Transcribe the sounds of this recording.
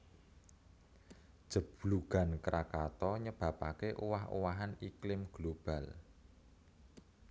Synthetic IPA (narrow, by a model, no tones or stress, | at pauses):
d̥ʒ̥ə̤b̥luɡ̥a̤nkɾʔakat̪ɔɲəb̥a̤pakeʔuwaɦṵwaɦaniklɪmɡ̥lob̥a̤l